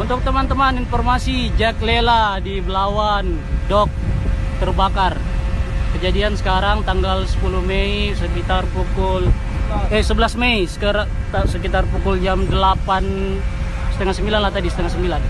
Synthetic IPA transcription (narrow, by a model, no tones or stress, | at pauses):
unt̪ʊk̚t̪əmant̪əmaninfɔrmasid͡ʒakleladibəlawan | dɔk̚t̪ərbakar | kəd͡ʒadiansə̥kaɾaŋt̪aŋɡalsə̥puluhmeisəkit̪arpukʊl | ɛsəbəlasmeisə̥kaɾat̪asəkit̪arpukʊld͡ʒamdəlapan | sə̥t̪əŋahsəmbilanlaht̪adisət̪əŋahsəmbilan